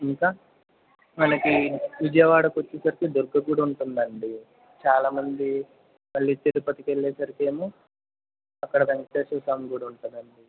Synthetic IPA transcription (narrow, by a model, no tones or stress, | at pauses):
iŋkaː | mɐnɐkiʋid͡ʒɐjɐʋaːɽɐkuot͡ʃːesɐɾikid̪uɾɡɐɡuːɽɐuɳʈund̪ɐɳɖi | t͡ʃaːlaːmɐnd̪i | mɐɭːiːt̪elupɐt̪ikeɭːɛːsɐɾike̞ːmoː | ɐkːɐɽɐʋɐŋkʈeːsuːsaːmɡuːɽɐuɳʈund̪ɐɳɖi